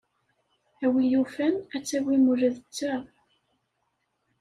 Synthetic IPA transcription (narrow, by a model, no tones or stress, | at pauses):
æwijufænæt͡sːæwimuɾəðət͡sːæ